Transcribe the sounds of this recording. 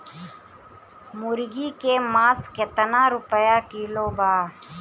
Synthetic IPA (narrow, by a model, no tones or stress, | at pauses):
muɾɡiːkeːmaːsket̪ənãːɾupəjaːkiːloːbaː